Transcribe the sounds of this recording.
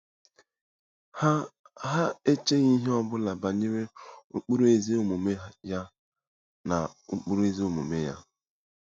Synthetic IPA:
ɦa˦e˦t͡ʃe˦ɣi˦ɦe˦ɔ˦bʊ˦la˨ba˨ɲe˦ɾe˦u˦k͡pu˦ɾu˦e˦ze˦o˦mu˨me˦ja˦ | na˨u˦k͡pu˦ɾe˦zi˦o˦mṵ˨me˦ja̰˦

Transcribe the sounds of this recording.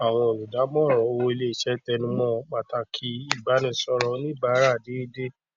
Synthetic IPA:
a˨w̃ɔ̃˧o˨lu˨da˨˦mɔ̃˦˨ɾɔ̃˨o˧wo˧i˧le˦i˨ʃɛ˦tɛ˧nũ˦mɔ̃˦k͡pa˨ta˧kʰi˧i˦˨ba˨˦nĩ˦˧sɔ˧ɾɔ˧˦nĩ˦˨ba˨˦ɾa˦˨de˨˦i˦de˦

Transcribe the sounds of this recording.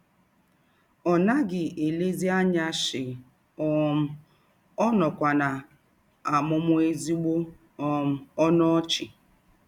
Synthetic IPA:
ɔ˨na˦ɡɪ˨ʔe˨le˦zi˦a˦ɲa˦ʃɪ˨ | ɔ˦m̩˦ | ɔ˦nɔ˨kʷa˨na˨ | a˨mʊ˦mʊ˦e˦zi˦ɡ͡bo˦ | ɔ˨m̩˦ɔ˦nɔ˦ɔ˦t͡ʃɪ˨

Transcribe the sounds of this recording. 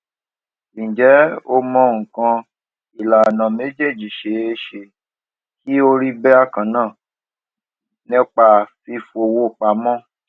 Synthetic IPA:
ĩ˨d͡ʒɛ˨˦o˧mɔ̃˧ŋ̩˨kã˧ | i˨la˨nã˨me˨˦d͡ʒe˦˨d͡ʒi˨ʃe˨e˧˦ʃe˧ | ki˦o˧ɾi˦bɛ˦a˦˨kã˨˦nãː˦˨ | nĩ˦k͡pa˧fi˧fo˧˨wo˧˨k͡pa˨mɔ̃˦

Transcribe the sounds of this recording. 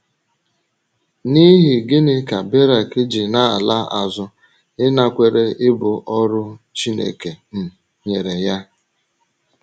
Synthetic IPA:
ni˦ɦi˨ɡɪ˦nɪ˦ka˨be˦ɾa˨kɪ˦d͡ʒi˨na˦˨a˨la˦a̰˨zʊ˦ | ɪ˦na˨kʷe˨ɾe˦ʔɪ˦bʊ˨ʔɔ˦ɾʊ˦t͡ʃi˦nḛ˨ke˨n̩˨ | ɲe˨ɾe˨ja˦

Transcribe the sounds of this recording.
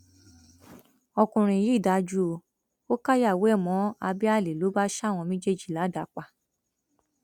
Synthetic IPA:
ɔ˧kũ˨ɾ̃ĩ˨ji˨˦˨da˨˦d͡ʒu˦o˧ | o˦ka˦ja˦˨we˨˦ɛ˦˨mɔ̃˨˦a˧bi˦a˦˨le˨lo˨˦ba˦ʃa˦˨w̃ɔ̃˧mĩ˦d͡ʒe˦˨d͡ʒi˨la˨˦da˨˦k͡pa˧

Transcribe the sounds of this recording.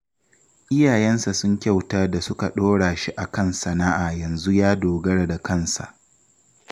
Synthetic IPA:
ʔɪ˦jaː˨jɛ˦nsa˨sʊ˦ŋkʲa˦˨wtaː˦da˨sʊ˦ka˨ɗoː˦ɽaː˨ʃi˦ʔa˨kɐ˦nsɐ˨naː˦ʔaː˨jɐ˨nzu˦jaː˦doː˨ɡɐ˦ɽa˨da˨kɐ˦˨nsa̰˨ʔ

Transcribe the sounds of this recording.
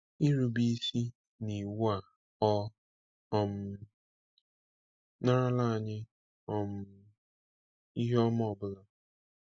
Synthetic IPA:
i˦ɾu˨bi˦si˦ | ni˨wu˦a˨ | ɔ˦˨ | m̩˦ | na˦ɾa˦la˦a˨ɲɪ˦ | ɔ˦m̩˦ | i˦ɦɔ˦m˦ɔ˦˨bʊ˦la˦

